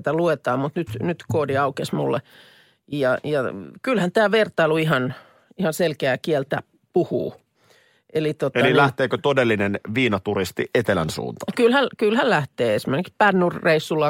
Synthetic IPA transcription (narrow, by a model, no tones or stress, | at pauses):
t̪æluet̪ɑːmmut̪nyt̪nyt̪koːdiɑukesmṵlːḛ | jɑjɑkylhænt̪æːʋert̪ɑiluihɑn | ihɑnselkeæːkiɛlt̪æ̰ | puhṵː | ʔelit̪ot̪eɑlilæht̪eːkøt̪odelːinenʋiːnɑt̪uɾist̪ḭʔet̪elænsṵːnt̪ɑ̥kylhælkylhællæht̪eːesimerekikspænːurːeisːulːɑ